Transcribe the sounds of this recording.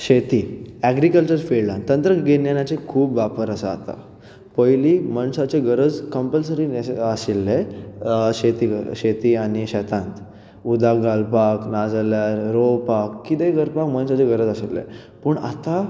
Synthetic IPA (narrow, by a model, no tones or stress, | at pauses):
ɕet̪iːɛɡɾikəlt͡ɕəɾfellãnt̪ənt̪ɾəɡenjanjat͡sekʰuːpʋapəɾasəa̰t̪a̰ | pəjliːməɳsat͡ɕeɡəɾəd͡zkəmpəlsəɾineasilːe | ɕet̪iɡə̰ɕet̪iːaɽ̃iɕɛt̪ãnt̪ | ud̪ʱaɡalpaknad͡zəljaɾɾopakːit̪eɡəɾpakmənsat͡ɕeɡəɾəd͡zasilːḛ | pəɳa̰t̪a